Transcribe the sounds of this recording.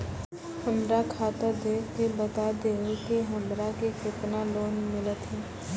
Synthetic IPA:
həmɾakʰaːt̪əd̪eːkebət̪ad̪eːekeɦəmɾakekɪt̪naloːnmɪlət̪ɦɛː

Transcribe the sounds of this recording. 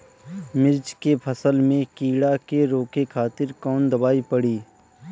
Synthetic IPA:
mɪɾd͡ʒkepʰəsəlmẽkiːɽakeɾoːkekʰaːt̪ɪɾkɔːnd̪əbaːipəɽiː

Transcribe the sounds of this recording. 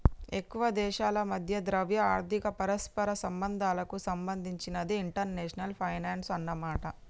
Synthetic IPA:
e̞kːuʋɐd̪ɛːʃaːlɐmɐd̪ʱjɐd̪ɾɐʋjɐaːɾt̪ikɐpɐɾɐspɐɾɐsɐmbɐnd̪ʱaːlɐkusɐmbɐnd̪ʱiɲt͡ʃinɐd̪iːɳʈɐɾneːʂɐnɐlpʰɐjnaːnsɐnːɐmaːʈɐ

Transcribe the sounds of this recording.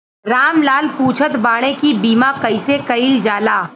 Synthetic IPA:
ɾaːmlaːlpuːt͡ʃʰət̪baːɽ̃ekibiːmakɐɪsekɐiːld͡ʒaːlaː

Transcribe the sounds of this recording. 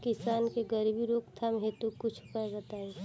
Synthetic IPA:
kɪsaːnkeɡəɾibiɾoːkt̪ʰamɦet̪ukʊt͡ʃʰpəɡət̪ae

